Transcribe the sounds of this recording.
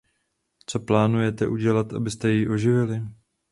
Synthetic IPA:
t͡so̞plaːnujɛt̪ɛʔuɟɛlat̪ʔa̰bɪst̪ɛjiʔo̞ʒɪvɪlɪ

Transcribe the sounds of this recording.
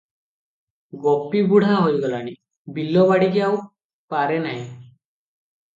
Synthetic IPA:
ɡɔpːibuɽ̤ʱãɦojɡɔlani | bilːɔβaɽikeaw | paɾenaj̃

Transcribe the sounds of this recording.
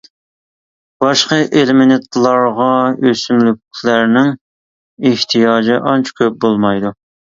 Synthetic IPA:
bɑʃqəʔelmɪnɪt̪lˠɑɾʁɑøsymlykʲlæɾnɪŋ | eht̪ʰijɑːd͡ʒɪʔɑnt͡ʃʰkʲʰøp̚bolˠmɑjd̪u

